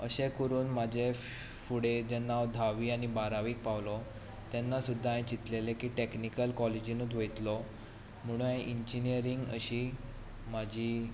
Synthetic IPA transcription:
əɕẽkuɾuːnmad͡ʑʱe | fuɽed͡ʑɛnːawd̪ʱaʋiːañibaɾaʋiːk̚pawlɔ | t̪ɛnːasud̪ʱːaaj̃t͡ɕit̪lelekiːʈeknikəlkɔled͡ʑinuːt̪ʋejt̪lɔ | m̤əɽ̃ũãjʔiɲd͡ʑinijəɾiŋɡə̰ɕi | mad͡ʑʱiː

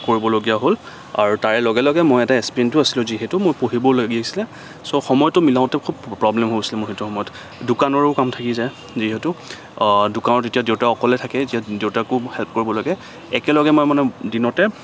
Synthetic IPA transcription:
koɹibɔloɡijaɦol | a̰ɹutaɹɛlɔɡɛlɔɡɛmojɛtaespiɛntʊasilʊ̃ziɦɛtʊmʊɹpoɦibɔlaɡiasilɛ | soxɔmɔjɔtːʊmilaʊ̃tɛkʰub̚pːɹɔblɛmɦosilɛmʊɹhetuxɔmɔjɔt | dʊkanɔɹɛʊkamtʰakiza | ziɦɛtʊ | dʊkanɔtetijadeʊtaɔkɔlɛtʰakɛezijadeʊtakʊhɛlp̚koɹibɔlaɡɛ | ɛkɛlɔɡɛmajmanɛdinɔtɛ

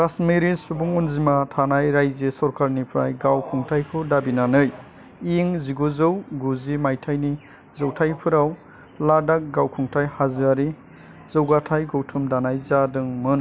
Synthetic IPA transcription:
ɾasmiɾisubuŋunzimatʰanajɾajzesɔɾkʰaɾnipʰɾa̰jɡawkʰuŋtʰajkʰɯdabinanɯj | iŋziɡozɯwɡuzimajtʰajni | zɔwtʰajpʰɯɾaw | ladak̚ɡawkʰuŋtʰajhazɯaɾi | zɯwɡatʰajɡɯwtʰumdanajzadɯŋmɯn

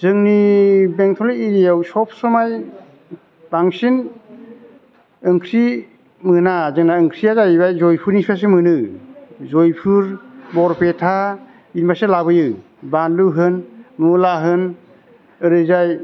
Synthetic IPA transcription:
zɯŋnibeŋtʰɔleiɾijawsɔp̚ʰsɔmaj | b̥aŋsin | ɯŋkʰɾi | mɯnazɯŋnaɯŋkʰɾiazajibajzɔjpʰuɾnispʰas̬emɯnɯ | zojpʰuɾbɔɾpetʰa | inmaselabɯjɯ | banluɦɯnmulaɦɯn | ɯɾɯzaj

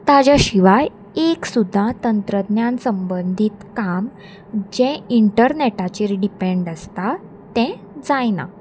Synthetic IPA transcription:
t̪ad͡ʑaɕiʋaj | eksud̪ʱːat̪ənt̪ɾəd̪njansəmbənd̪ʱit̪kam | d͡ʑɛ̃iɳʈəɾneʈat͡ɕeɾiɖipẽɳɖəst̪a | t̪ɛ̃ | d͡zajna̰

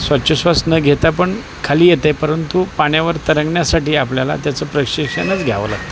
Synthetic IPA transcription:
sʋətːɕəsʋasnəɡʱet̪apəɳ | kʰaliːjet̪ajpəɾənt̪upaɳ̃jaʋəɾt̪əɾəŋɡɳjasaʈiːapljala̰t̪jat͡səːpɾəɕikʂənət͡sɡʱjaʋə̰la̰ɡt̪ə

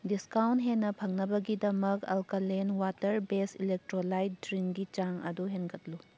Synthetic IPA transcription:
diskawnt̚ɦenːɐpʰɐŋnɐbɐɡidɐmɐkɐlkɐlenwatɐɾbesilek̚tɾolajt̚dɾiŋɡit͡ʃaŋɐ̰duɦenɡɐtlu

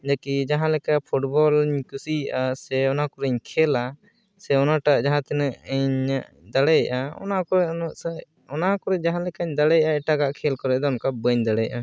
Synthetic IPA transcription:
d͡ʒakid͡ʒaɦãlɛkapʰuʈbɔlɲkusiʔasɛɔnakɔɾɛɲkʰɛla | sɛɔnaʈaʔd͡ʒaɦãt̪ɛnɛʔɲʔ | d̪aɽɛjaʔaɔ̰nakɔɾɛʔa | ɔnakɔɾɛd͡ʒaɦãlɛkaɲd̪aɽɛjaʔaɛʈaɡaʔkʰɛlkɔɾɛʔd̪ɔɔnkabəɲd̪aɽɛjaʔa

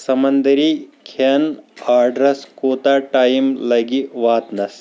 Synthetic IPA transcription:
sɐmɐnd̪ɐɾikʰɐnaːɾɖɾɐskoːt̪aːʈaːjmlɐɡiʋaːt̪nɐs

